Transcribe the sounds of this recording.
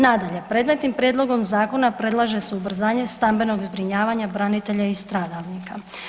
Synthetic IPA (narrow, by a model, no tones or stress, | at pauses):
nad̪aʎe̞pɾe̞ːd̪met̪nimpɾje̞d̪lo̞ɡo̞mzaːko̞napɾe̞d̪lˠaʒe̞seubr̩zaːɲe̞st̪ambe̞no̞ɡzbɾiɲaːʋaɲabɾanit̪e̞ʎaist̪ɾaːd̪aʋnika